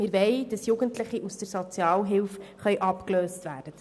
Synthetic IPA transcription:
mɪːɾʋɛɪd̥ɑsjuɡəntləχiʔusd̥əɾsot͡sjɑːlɦɪlfχœɥʔɑpkløːstʋæːd̥ət

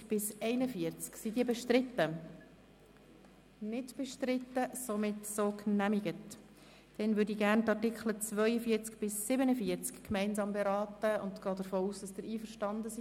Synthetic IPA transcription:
b̥ɪsɛɪnəfiəɾt͡sksidiːəbɛʃtɾɪt̪ːə | nɪdb̥ɛʃtɾɪt̪ːəsomɪtsoːknæmiɡət | d̥ɛnʋʏːɾdiːɡæɾntɑtɪkχlət͡svœʏəfiːəɾt͡skb̥ɪsːɪbənəfiəɾt͡skkmɛɪnzɑːmbɛɾɑːtəʊ̰ntɡ̥ɑːdəɾfoːuːsd̥ɑsd̥ɪɾiːfəɾʃtɑndəsi

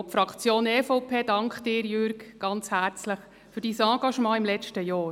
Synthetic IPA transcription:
ɔpfɾɑkt͡sjoːneːfopʰeːdɑŋkχd̥ɪːɾjʏɾɡɡ̥ɑnt͡shæːɾt͡sləχ | fyɾd̥iːsɑ̃ːɡɑʃmɑ̃ːɪmlɛt͡ʃtəjɔːɾ

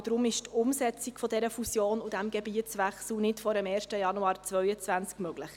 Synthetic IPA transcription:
d̥ɾʊmɪʃtʊmsɛt͡siɡfɔdɛɾəfusjoːnudæmɡɛbiət͡sʋæχsl̩nɪtfɔɾəmɛːɾʃtəjɑnuɑːɾt͡svœʏət͡svænt͡skmœɡ̥lɪχ

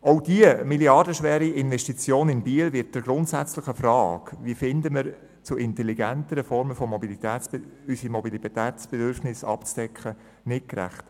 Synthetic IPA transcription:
oʊdiəmiljɑrdəʃʋɛːɾiɪnvɛʃtit͡sjoːnɪnbiːəlvɪt̚d̥əɡɾʊntsæt͡slɪχəfrɑːkʋiəfɪndəmɪɾ | t͡suʔɪntɛliɡæntəɾəfɔɾməfɔmɔbilit̪ɛːt͡sysimɔbilit̪æːtt͡sb̥ɛdʏɾfnɪsɑ̰pt͡sd̥ɛkχə | nɪt̚kɾæ̰χt

